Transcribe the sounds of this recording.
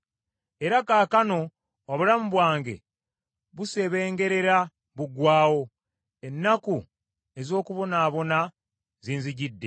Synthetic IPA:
e̞ɾakaːkano̞ | oβulamuβwaːŋɡe̞̰ | βuse̞βe̞ːŋɡe̞ɾe̞ɾa | βuɡwaːwo̞ | e̞nːaku | e̞zo̞ːkuβo̞naːβo̞na | ziːnziɟidːe̞̰

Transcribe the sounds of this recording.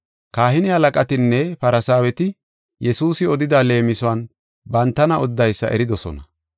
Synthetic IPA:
kaːhɪnɪhɐlɐkʼɐt̪ɪnːɛpɐɾɐsaːwɛt̪ɪ | jɛsuːsɪɔd̪ɪd̪ale̞ːmɪsʊɐn | bɐnt̪ːɐnɐʔɔd̪ːɐjsːɐ̰ʔɛ̰ɾɪd̪ɔsɔ̰nɐ

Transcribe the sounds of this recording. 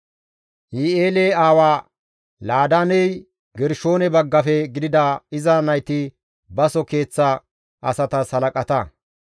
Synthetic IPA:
hieːleːaːwaː | laːd̪anɛj | ɡɛɾʃo̞ːnɛbɐɡːɐfɛɡɪd̪ɪd̪ɐɪzɐnɐjt̪ɪ | bɐsɔke̞ːt͡sːɐ | ʔɐ̰sɐt̪ɐsɐlɐkʼɐt̪ɐ

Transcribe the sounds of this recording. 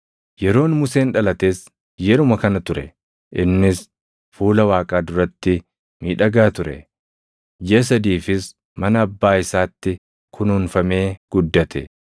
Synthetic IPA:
jɛɾo̞ːnmʊse̞ːnᶑɐlɐt̪eːs | jɛɾʊmɐkɐnɐt̪ʊɾɛ̰ | ʔɪnːɪs | fuːlɐwaːkʼaːd̪ʊɾɐt̪ːɪ | miːᶑɐɡaːt̪ʊɾɛ̰ | d͡ʒeɐs̬ɐd̪iːfɪs | mɐnɐːbːaːɪsaːt̪ːɪ | kʰʊnʊːnfɐme̞ːɡ̥ʊd̪ːɐt̪ʰɛ̰

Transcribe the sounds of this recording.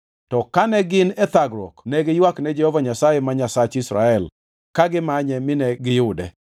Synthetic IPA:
tɔkanɛɡɪnɛt̪aɡɾɔ̰knɛɡɪjwaknɛd͡ʒɛhɔvaɲasajɛmaɲasat͡ʃisɾa̰ɛl | kaɡɪmaɲɛmɪnɛɡɪjʊdɛ

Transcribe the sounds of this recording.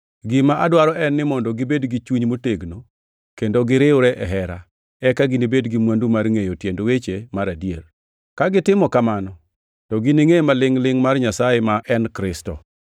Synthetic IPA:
ɡimaʔadwaɾɔʔɛnːɪmɔndɔɡɪbedɡit͡ʃuɲmoteɡno | kendoɡɪɾɪʊɾɛʔɛɦɛɾa | ɛkaɡinibedɡimwandumarŋejotjendowet͡ʃemaɾadjer | kaɡɪtɪmɔkamanɔ | tɔɡiniŋejmalɪŋlɪŋmarɲasajemaʔɛnkɾɪstɔ̰

